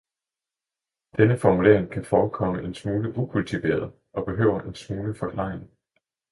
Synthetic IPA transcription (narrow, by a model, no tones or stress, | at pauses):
d̥enəfɒmule̝̰ɐ̰eŋkʰæfɒːkʰɒ̽məʔe̝nsmuːləʔukʰult͡sʰiʋe̝̰ːɐð̞ˠ | ɒ̽b̥e̝ɦø̰ʊ̰ɐʔensmuːləfɒ̽kʰlɑ̰̈ːeŋ